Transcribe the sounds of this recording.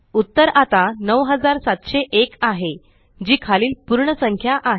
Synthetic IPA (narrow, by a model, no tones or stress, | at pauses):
ut̪ːəɾat̪anəʋɦəd͡zaɾsat̪ɕeʔekaɦe | d͡ʑiːkʰaliːlpuɾɳəsəŋkʰjaʔaɦ